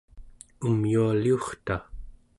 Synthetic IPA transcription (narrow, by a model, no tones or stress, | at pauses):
umjualiuχt̪a